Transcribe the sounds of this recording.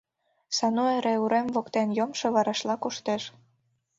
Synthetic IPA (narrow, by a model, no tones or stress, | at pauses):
sɑnoeɾeuɾemvokt̪enjomʃoβɑɾɑʃlɑkuʃt̪eʃ